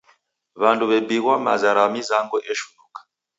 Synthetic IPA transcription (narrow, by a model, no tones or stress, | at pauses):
βantuβɛbiɣwama̰zaɾamizaŋɡɔʔɛʃu̥nukḁ